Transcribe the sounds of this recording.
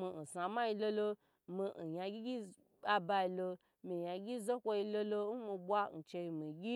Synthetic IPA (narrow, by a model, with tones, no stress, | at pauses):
mi˧n̩˨sa˨ma˦ji˧lo˧lo˧ | mi˧n̩˨ja˧ɡʲi˦ɡʲi˦ | a˧ba˧i˧lo˧ | mi˨ja˧ɡʲi˦zo˦kʷo˧i˧lo˦lo˧n̩˦mi˧bʷa˦n̩˨t͡ʃe˧ji˧mi˨ɡʲi˦